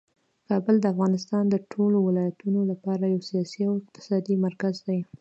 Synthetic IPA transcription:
kɑbəld̪əafɣɑnɪst̪ɑnd̪əʈʰolowɪlɑjat̪unolapɑɾajawsijɑsiawɪq̚t̪ɪ̥sɑd̪imaɾkazd̪aj

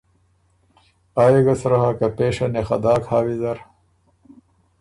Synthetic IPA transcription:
aːjeɡɐsɾɐɦakɐpeːʂɐnexɐ̰d̪aːkhaːwizɐɾ

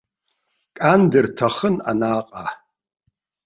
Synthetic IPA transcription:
kʼaːndɨrtʰɐχəna̰naːqʼa

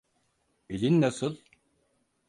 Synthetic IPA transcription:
ilinːasɯlˠ

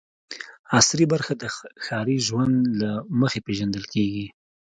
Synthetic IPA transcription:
asɾibaɾxad̪əxɑɾiʒwand̪laməxepeʒand̪əlkeɡi

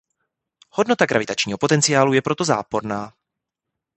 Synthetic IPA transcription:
hodno̞t̪aɡɾʔavɪt̪at͡ʃɲiːɦo̞po̞t̪ɛnt͡sɪjaːlujɛpɾo̞t̪oza̰ːpo̞ɾnaː

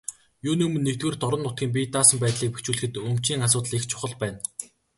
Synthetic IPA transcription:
juːnimɵ̆nːek̚t̪̚ɡeːrt̪ɔɾə̆nːʊt̪ɡʲiːmp̬ʲit̪aːsə̆mpæːt̪ɮʲiːk̚pe̥xt͡ɕuːɮɘ̆xɘ̆t̪ɵmt͡ɕiːŋasʊːt̪ə̆ɮikt͡ɕʰʊ̥χə̆ɮpæːn

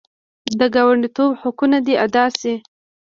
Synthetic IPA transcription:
d̪əɡɑwaɳɖit̪obhʊkunad̪iad̪ɑsi

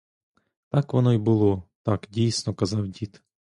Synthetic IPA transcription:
t̪ɑkʋɔnɔjbʊlˠɔt̪ɑkdʲijsnɔkɐzɑwdʲit̪

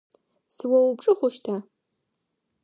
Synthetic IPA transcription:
sɨwɐwʊpʈ͡ʂʼɨχʷʊʃtʰa

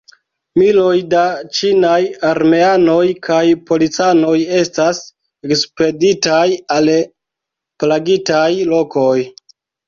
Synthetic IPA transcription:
milo̞jdat͡ʃinajaɾme̞ano̞jkʰajpo̞lit͡sano̞je̞stas | ekspe̞ditajal | plaɡitajlo̞ko̞j

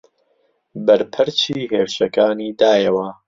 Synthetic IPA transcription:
bɐɾpʰɨɾt͡ʃiːheːwʃɐkaːniːd̪aːjɐwɐ

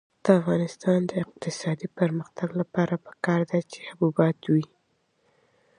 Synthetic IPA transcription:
d̪̥əafɣɑnɪst̪ɑnd̪əɪq̚t̪ɪsɑd̪ipəɾməxt̪aɡlapɑɾapə̥kɑɾd̪at͡ʃe̥habubɑt̪wi

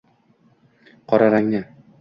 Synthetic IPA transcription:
qʰɒɾaɾaŋnɪ

